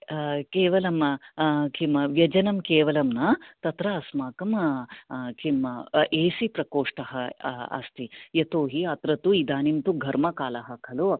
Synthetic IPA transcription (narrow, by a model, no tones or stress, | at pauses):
keːʋɐlɐm | kimʋjɐd͡ʒɐnɐmkeːʋɐlɐmnɐt̪ɐt̪ɾɐːsmaːkɐm | kimʔeːsipɾɐkoːʂʈɐɦɐɐ̰st̪ijɐt̪oːɦiɐt̪ɾɐt̪uid̪aːnimt̪uɡʱɐɾmɐkaːlɐɦɐkʰɐlo